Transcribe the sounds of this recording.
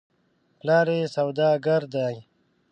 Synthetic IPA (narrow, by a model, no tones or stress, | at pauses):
plaːɾeːsɐwd̪aːɡɐɾd̪aːj